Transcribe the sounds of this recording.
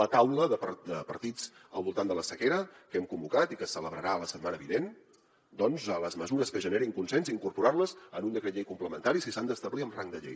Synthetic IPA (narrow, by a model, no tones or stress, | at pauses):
lət̪awləðəpd̪əpəɾt̪it͡s | əlˠβulˠt̪and̪ələsəkeɾəkɛmkumbukat̪ikəsələβɾəɾaləsət̪manəβinen | d̪ɔnzələzməzuɾəskəʒəneɾiŋkunsɛnziŋkuɾpuɾarləzənund̪əkɾəʎejkumpləmə̰nt̪aɾisisand̪əst̪əβliəmraŋd̪əʎḛj